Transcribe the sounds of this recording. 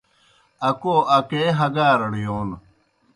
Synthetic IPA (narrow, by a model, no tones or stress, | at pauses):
ɐkoːʔɐkeɦɐɡaːɾɐɽijoːn